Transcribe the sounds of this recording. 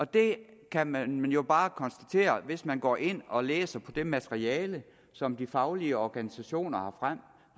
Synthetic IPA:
ɒ̽d̥e̝kʰæmænmænjo̝b̥ɑ̈ːkʰɒ̽nsd̥æt͡sʰe̝̰ːɐʋe̝smænɡ̥ɒ̰ːʔe̝n̰ɒ̽lḛːsɐpʰɒ̽d̥e̝mæt͡sʰʁiɛːlə | sɒ̽md̥ifɑ̈ʊliəɒɡ̥ænisæɕo̝̰ːnɐhɑ̈fʁam̰

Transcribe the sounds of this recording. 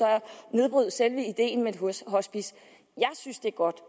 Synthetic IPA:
ɒ̽æne̝ð̞ˠb̥ʁyð̩̰ˠselʋəid̥e̝̰ːnme̥ɦosɦɒ̽sb̥is | jɑ̈ɪsynsd̥e̝æɐɡ̥ɒ̽d̥

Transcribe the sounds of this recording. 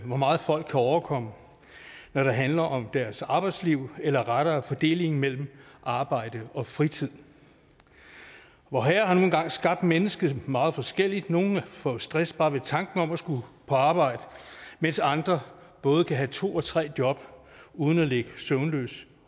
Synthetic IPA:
ʋɒmɑ̈ːð̞̩ˠfɒ̽l̰ɡ̥̚kʰːæɒʊɐkʰɒ̽mə | nɒɾ̥ɑ̈ɦænlɐʔɒ̽md̥æɐsɑ̈ːb̥ɑ̈ɪd̥sliʊ̰elɐʁaɾ̥ɐæfɒ̽d̥e̝̰ːle̝ŋŋ̩mel̰m̩ʔɑ̈ːb̥ɑ̈ɪ̰d̥əɒ̽fʁit͡sʰið̰ˠ | ʋɒɦæːɐhɑ̈no̝ːn̩ɡ̥ɑ̈ŋ̰sɡ̥ɑ̈b̥̚d̥menəsɡ̥ð̩ˠmɑ̈ːð̩ˠfɒ̽sɡ̥el̰id̥no̝ːn̩æfɔsd̥ʁɛsb̥ɑ̈ːʋe̝t͡sʰɑ̈ŋɡ̥n̩ɒ̽mæsɡ̥upʰɒ̽ɑ̈ːb̥ɑ̈ɪ̰d̥əmen̰sɑ̈nd̥ʁɐb̥ɔ̽ːð̞̩ˠkʰæɦæt͡sʰo̝̰ːɒ̽t͡sʰʁɛ̰ːd̥jɒ̽b̥ | uːð̞ˠn̩æleɡ̥əsøʊnlø̰ːs

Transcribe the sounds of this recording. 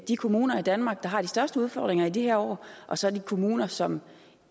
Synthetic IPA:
d̥ikʰo̝muːnɐid̥ænmɑ̈ːɡ̥̚d̥ɑ̈ɦɑ̈d̥isd̥ɶɐsd̥əuð̞ˠfɒ̰ːd̥ʁeŋɐidiheɐ̰ɒ̰ːʔɒ̽sɒ̽æd̥ikʰo̝muːnɐsɒ̽m

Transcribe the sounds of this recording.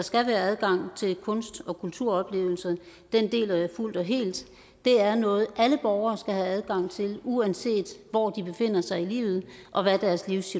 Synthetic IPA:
dɑ̈sɡ̥æʋæːɐæðˠɡ̥ɑ̈ŋ̰t͡sʰe̝lkʰɔ̽nsd̥ɒ̽kʰult͡sʰuɐ̰ɒ̽b̥le̝̰ːʊl̩sɐd̥end̥e̝̰ːlæjæful̰d̥ɒ̽ɦe̝̰ːld̥ | d̥e̝æɐnɔ̽ːð̞̩ˠʔæləb̥ɒʊɐːsɡ̥æɦææð̞ˠɡ̥ɑ̈ŋ̰t͡sʰe̝luænse̝̰ːd̥ʋɒd̥ib̥e̝fe̝n̰ɐsɑ̈ɪilḭːʊð̩ˠʔɒ̽ʋæd̥æɐsliʊsi

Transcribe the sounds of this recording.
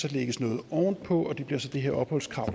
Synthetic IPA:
sɒleɡ̥əsnɔ̽ːð̩ˠɒ̰ːnd̥̚pʰɒ̽ɒ̽d̥e̝b̥liɐsɒ̽d̥e̝ɦeɐ̰ɒ̽b̥hɒ̽l̰skʰʁɑ̈ʊ̰̥

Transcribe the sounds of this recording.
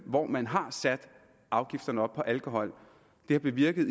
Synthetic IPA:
ʋɒmænɦɑ̈sæd̥ | ʔɑ̈ʊɡ̥ifd̥ɐnəɒ̽b̥̚pʰɒ̽ʔælkʰo̝ɦɒ̽l̰ | d̥e̝hɑ̈b̥e̝ʋiɐɡ̥ð̩ˠ

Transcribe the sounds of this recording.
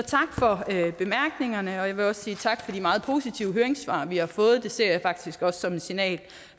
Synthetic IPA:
ɒt͡sʰɑ̈ɡ̥fɒ̽øb̥e̝mæɐɡ̥ne̝ŋɐnəɒ̽jɑ̈ʋe̝ɒ̽ssiːt͡sʰɑ̈ɡ̥fɒ̽d̥imɑ̈ːð̞̩ˠpʰo̝ːsit͡sʰiʊəɦøɐeŋsʋɑ̰̈ːʋihɑ̈fɔ̽ːð̞̩ˠd̥e̝se̝ɐ̰jäfɑ̈ɡ̥̚d̥isɡ̥ɒ̽ssɒ̽me̝nsinɛ̰ːl

